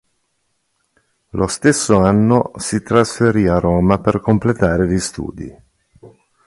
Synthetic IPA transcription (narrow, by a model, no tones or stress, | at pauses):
lʔost̪esːoanːosit̪ɾasfeɾiaroːmaperkomplet̪aːɾelist̪ṵːd̪ḭ